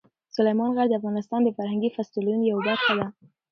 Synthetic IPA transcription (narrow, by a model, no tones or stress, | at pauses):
sʊlajmɑnɣaɾd̪əafɣɑnɪst̪ɑnd̪əfaɾhaŋɡifast̪ilunjawbaxad̪a